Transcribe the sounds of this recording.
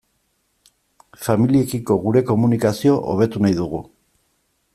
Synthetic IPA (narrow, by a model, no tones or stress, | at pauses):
familie̞kiko̞ɣ̞uɾe̞ko̞munikasio̞ʔoβ̞e̞t̪unajðuɣ̞u